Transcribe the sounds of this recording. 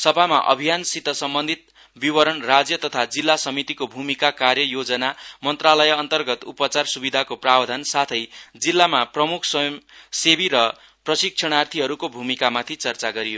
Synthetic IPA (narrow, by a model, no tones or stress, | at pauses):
sʌbʱamaʔʌ̰bʱijansit̪ːʌsʌmbʌnd̪ʱit̪̚ | biwʌɾʌnrad͡zjʌt̪ʌt̪ʰad͡zilːasʌmit̪ikobʱumikakarjʌjod͡zʌnamʌnt̪ralʌjʌnt̪ʌrɡʌt̪upʌt͡sarsubid̪ʱakoprabd̪ʱʌnsat̪ʰʌjd͡zilːamaprʌmukʰsʌsebiɾʌ | prʌsik̚t͡ʃʰʌɽ̃art̪ʰiɦʌɾukobʱumikamat̪ʰit͡sʌrt͡saɡʌɾijo